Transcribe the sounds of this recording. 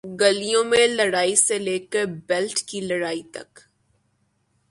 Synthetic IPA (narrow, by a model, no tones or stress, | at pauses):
ɡəlijõmẽlɐɽaːiseleːkəɾbɛlʈkilɐɽaːit̪ɐ̰k